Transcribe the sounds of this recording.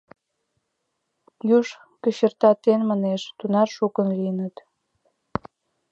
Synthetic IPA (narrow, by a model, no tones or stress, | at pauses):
juʃ | kəɕərt̪ɑt̪enmɑneʃt̪unɑrʃukənliənət̪